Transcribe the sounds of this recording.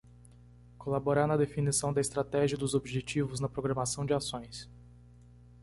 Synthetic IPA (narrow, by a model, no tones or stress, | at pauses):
kolaboɾaɾnɐd̪efinisɐ̃w̃d̪ɐɪst̪ɾat̪ɛʒiɐd̪ʊzobiʒet͡ʃivʊznɐpɾoɡɾɐ̃masɐ̃w̃d͡ʒɪasõj̃s